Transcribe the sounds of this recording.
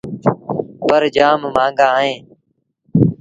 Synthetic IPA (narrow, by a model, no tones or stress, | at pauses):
pəɾd͡ʒaːmːãːŋɡãːɦẽː